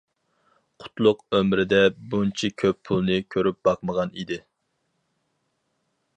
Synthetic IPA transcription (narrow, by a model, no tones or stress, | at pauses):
qʰʊ̥t̪lˠʊqømɾɪd̪ɛbunt͡ʃʰikʲʰøppʰulˠnɨkʲʰøɾyp̚bɑqməʁɑnid̪ɪ